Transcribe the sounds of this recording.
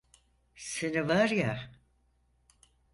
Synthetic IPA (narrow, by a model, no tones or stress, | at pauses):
senivaɾja